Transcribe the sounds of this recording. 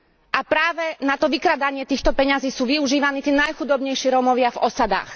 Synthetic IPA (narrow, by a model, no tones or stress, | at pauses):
ʔapɾaːʋɛnat̪ɔʋikɾad̪aɲɪɛt̪iːxt̪ɔpɛɲaziːsuːʋiuʒiːʋaniːt̪iːnajxud̪ɔbɲɛjʃɪɛɾɔmɔʋɪavɔsad̪a̰ːx